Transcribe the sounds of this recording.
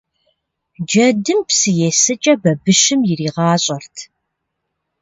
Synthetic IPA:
d͡ʒɐdɨmpsɨjɛsɨt͡ʃʼɐbɐbɨʃɨmjɪriːʁɑːɕʼɐrtʰ

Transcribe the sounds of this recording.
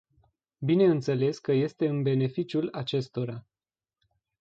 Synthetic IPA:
bine̞ɨnt̪se̞le̞skəje̞st̪e̞ɨnbe̞ne̞fit͡ʃjulat͡ʃe̞st̪o̞ɾa

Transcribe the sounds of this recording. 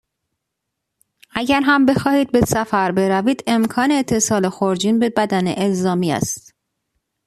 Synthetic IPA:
ʔæɟæɾɦæmbe̞xɒːhiːd̪̚be̞sæfæɾbe̞ɾæviːd̪e̞mkʰɒːneːt̪ʰːe̞sɒːlexoɾd͡ʒiːnbe̞bæd̪æneʔelzɒːmiːæ̰st̪

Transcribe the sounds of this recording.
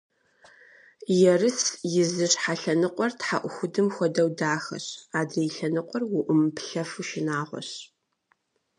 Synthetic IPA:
jɛrɨt͡sʰjɪzɨʂħaɬɐnɨqʷɔrtħa̰ʔʷʊxʷʊdɨmxʷɔdɐwdaːxɐ̰ɕaːdrejɬɐnɨqʷɔrwʊʔʊmpɬɐfɨʃɪnaːʁʷɔ̰ɕ

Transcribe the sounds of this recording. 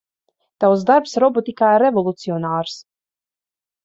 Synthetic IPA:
t̪awsd̪aɾpsɾɔbɔt̪ikaːiɾːevɔlˠut̪siɔnaːɾs

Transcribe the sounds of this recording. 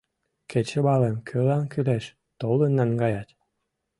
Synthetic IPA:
kʰet͡ɕə̆βɑlemkʰølɑnkyleʃ | t̪olənːɑŋɡɑjɑt̪

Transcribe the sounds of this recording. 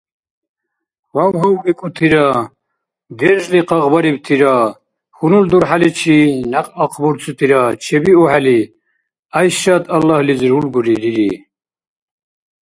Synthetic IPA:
wawɦɔwvɛkʼut̪ʰiɾa | ɡ̪ɛɾʒliqɑʁbaɾibt̪ʰiɾa | xunuld̪uɾħalit͡ʃʰinaqʼaqʰʼbuɾt͡sʰʼut̪ʰiɾat͡ʃʰɛbiɔħali | ajʃat̪ʰʼalːahlizɾulɡuɾiɾiɾi

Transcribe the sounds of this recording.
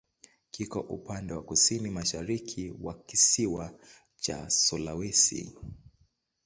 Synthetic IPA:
kikɔʔṵpandɛwakusinimaʃaɾikʰiwakisiwa | t͡ʃa̰sɔlawɛsḭ

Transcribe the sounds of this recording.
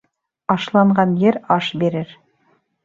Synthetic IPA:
ɑʃlˠɑɴɢɑnjɘɾɑʃbiɾɘɾ

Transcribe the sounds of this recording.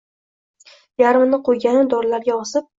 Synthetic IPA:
jaɾmnɪqʰojɡʲanɪd̪ɒɾlaɾɡʲaɒsɪp̚

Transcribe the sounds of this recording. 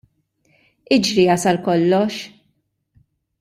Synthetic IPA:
ɪd͡ʒɾiɐsɐlkɔlːɔʃ

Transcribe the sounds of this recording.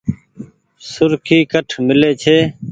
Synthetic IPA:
sʊɾkʰiːkəʈʰmɪleːt͡ʃʰeː

